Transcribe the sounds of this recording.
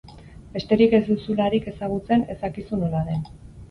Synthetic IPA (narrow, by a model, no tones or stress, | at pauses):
be̞st̪e̞ɾike̞zd̪usulaɾike̞saɣut͡se̞ne̞sakisuno̞laðe̞n